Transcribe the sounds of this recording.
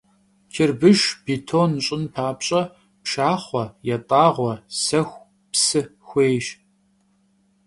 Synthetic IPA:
kʰɪrbɨʒbitʰoːnɕʼɪnpʰaːpɕʼɐ | pʃaːχʷɔjɛtʼaːʁʷɔsɐxʷ | psɨxʷeːjʃ

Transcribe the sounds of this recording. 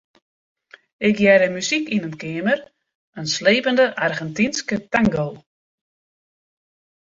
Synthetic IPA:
ɪkjɛɾəmysikinənkɪəmər | ənsleːpəndəʔarɣɛntinskətaŋɡow

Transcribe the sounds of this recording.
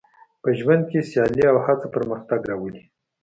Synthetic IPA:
pəʒwand̪̚kesjɑliawhat͡sapəɾməxt̪aɡɾɑwəli

